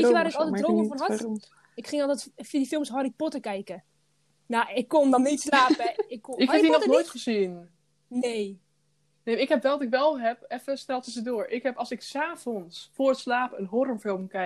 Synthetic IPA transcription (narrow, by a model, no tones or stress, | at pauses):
iəʋaːɾɪkɔlˠtɛdroːməfɔnɦɔt | ɪkχɪŋɔlˠtɛtfiədifɪlˠmsɦɔripɔtəkɛjkə | nawɪkːɔndɔnːitslaːpəɪkːɪkːɛdinɔχtənnoːjtχəzin | nej | neːmɪkɦɛpʋɛlˠdɔtɪkʋɛlˠɦɛp̚ɛfəstɛlˠtəzədoːɹʔɪkɦɛpɑlˠsɪksaːvɔnsfʊːɹətslaːpəənɦorəmfɪlˠmkɛ